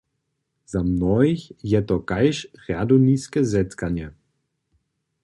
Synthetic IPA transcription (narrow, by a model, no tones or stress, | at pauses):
z̥amnɔiçjɛt̪ɔkaɪʃʁaduniskəzɛtkanjə